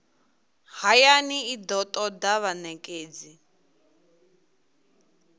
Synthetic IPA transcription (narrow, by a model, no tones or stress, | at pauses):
hajaniid̪ɔt̪ʼɔdaβanɛkʼeːd͡zi